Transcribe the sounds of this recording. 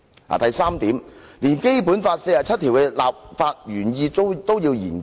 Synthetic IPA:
a̰ː˨t̪ɐ˨jsaː˥mt̪iː˨˥mliː˨˩nke˥jpuː˨˥nfaː˧t̚se˧jaː˨˩t͡sʰɐ˥t̪ʰi˨˩wkɛ˧la̰ː˨p̚faː˧t̚jyː˨˩njiː˧˥t̪o˥wjiː˧wjiː˨˩n

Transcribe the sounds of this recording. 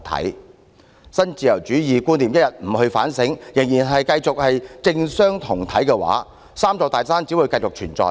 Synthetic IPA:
t̪ʰɐ̰˨˥j | sɐ˥nt͡siː˨˧jɐ˨˩wt͡ʃyː˨˥jiː˨kuː˥nli˨mjɐ˥t̚jɐ˨t̚m̩˨˩hɵ˧ɥfa̰ː˨˥nsɪ˨˥ŋjɪ˨˩ŋjiː˨˩nɦɐ˨jkɐ˧jt͡sʊ˨k̚hɐ˨jt͡sɪ˧ŋsœː˥ŋt̪ʰʊ˨˩ŋt̪ʰɐ˨˥jkɛː˧wa̰ː˨˥ | saː˥mt͡sɔː˧t̪aː˨˩jsaː˥nt͡si˨˥wu˨˧kɐ˧jt͡sʊ˨k̚t͡ʃʰyː˨˩nt͡sɔ̰ː˧

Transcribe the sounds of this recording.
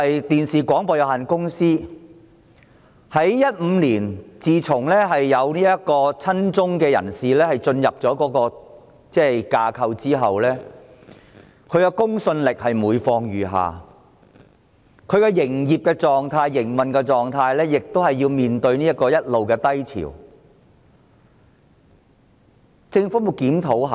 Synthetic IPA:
ɐ˨jt̪iː˨nsiː˨kʷɔː˨˥ŋpɔː˨˧jɐ˨˩whaː˨˩nkʊ˥ŋsiː˥ | hɐ˨˥jjɐ˥t̚m̩˨˧liː˨˩nt͡siː˨t͡sʰʊ˨˩ŋlɛː˥ɦɐ˨jːɐ˨˧wniː˥jɐ˥t̚kɔː˧t͡sʰɐ˥nt͡sʊ˥ŋkɛː˧jɐ̰˨˩nsiː˨lɛː˥hɐ˨˩jt͡sɵ˧njɐ˨p̚t͡sɔː˨˥kɔː˨˥kɔː˧ | t͡sɛː˥kaː˧kʰɐ˧wt͡siː˥ɦɐ̰˨wlɛː˥ | kʰɵ˨˧ɥkɛ˧kʊ˥ŋsɵ˧nlɪ˨k̚hɐ˨jmuː˨˧jfɔː˧ŋɥyː˨˩ɦa̰ː˨˩ | kʰɵ˨˧ɥkɛ˧jɪ˨˩ŋjiː˨p̚kɛː˧t͡sɔː˨ŋt̪ʰaː˧jːɪ˨˩ŋmɐ˨nkɛ˧t͡sɔː˨ŋt̪ʰaː˧jlɛː˥jɪ˨k̚t̪o˥whɐ˨jːiː˧wmiː˨nt̪ɵ˧ɥniː˥jɐ˥t̚kːɔː˧jɐ˥t̚lo˨wkɛː˧t̪ɐ˥jt͡sʰḭ˨˩w | t͡sɪ˧ŋfuː˨˥mu˨˩kiː˨˥mt̪ʰo˨˥whɐ˨

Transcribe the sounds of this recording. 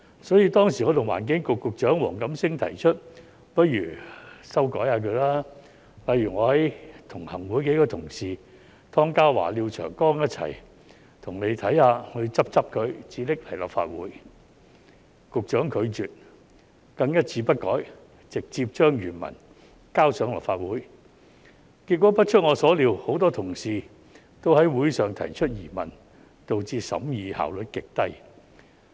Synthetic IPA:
sɔː˨˥jiː˧t̪ɔː˥ŋsi˨˩ŋɔː˨˧˥t̪ʊ˨˩wa̰ː˨˩nk̬ɪ˨˥ŋkʊ˨kːʊ˨k̚t͡ʃœː˨˥ŋwɔ̰ː˨˩ŋkɐ˨˥msɪ˥ŋt̪ʰɐ˨˩jt͡ʃʰɵ˥t̚ | pɐ˥t̚jɥyː˨˩sɐ˥wkɔː˨˥jhaː˧kʰɵ˨˧ɥlaː˥ | lɐ˨˧jɥyː˨˩ŋɔː˨˧hɐ˨˥jt̪ʰʊ˨˩ŋhɐ˨˩ŋwu˨˥jke˨˥kɔː˧t̪ʰʊ˨˩ŋsiː˨ | t̪ʰɔː˥ŋkaː˥wwa̰ː˨˩liː˧wt͡ʃʰœ̰ː˨˩ŋkɔː˥ŋjɐ˥t̚t͡sʰɐ̰˨˩j | t̪ʰʊ˨˩ŋne˨˧jt̪ʰɐ˨˥jhaː˧hɵ˨˧ɥt͡sɐ˥p̚t͡sɐ˥p̚kʰɵ˨˧ɥt͡siː˨˧lɪ˥k̚hɐ˨jlɐ̰˨˩p̚fa̰ː˧t̚wuː˨˥j | kʊ˨k̚t͡ʃœː˨˥ŋkʰɵ˨˧ɥt͡ʃyː˨t̚ | kɐ˧ŋjɐ˥t̚t͡sʰiː˨˧pɐ˥t̚kɔː˨˥j | t͡sɪ˨k̚t͡siː˧p̚t͡ʃœː˥ŋjyː˨˩nmɐ̰˨˩n | kaː˥wsœː˨˥ŋlɐ̰˨p̚faː˧t̚wuː˨˥j | ki˧t̚kʷːɔː˨˥pɐ˥t̚t͡ʃʰɵ˥t̚ŋɔː˨˧sɔː˨˥liː˨˧who˨˥wt̪ɔː˥t̪ʰʊ˨˩ŋsiː˨ | t̪o˥whɐ˨˥jwuː˨˥jsœː˨ŋt̪ʰɐ˨˩jt͡ʃʰɵ˥t̚jiː˨˩mɐ̰˨˩n | t̪o˨wt͡siː˧sɐ̰˨˥mjiː˨˧ha̰ː˨˩wlɵ˨t̚kɪ˨k̚t̪ɐ˥j

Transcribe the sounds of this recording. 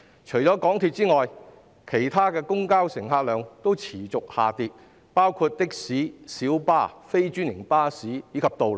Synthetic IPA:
t͡ʃʰɵ˨˩jt͡sɔː˨˥kɔː˨˥ŋt̪ʰiː˨t̚t͡siː˥ŋɔː˨j | kʰe˨˩jt̪ʰaː˥kɛː˧kʊ˥ŋkaː˥wsɪ˨˩ŋɦaː˧t̚lœː˨˧ŋt̪o˥wt͡sʰiː˨˩t͡sʊ˨k̚haː˨˩t̪iː˧t̚ | paː˥wkʰuː˧t̚t̪ɪ˥k̚siː˨˥siː˨˥wpaː˥fe˥jt͡ʃyː˥njɪ˨˩ŋpaː˥siː˨˥jiː˨˧kʰɐ˨p̚t̪o˨wl

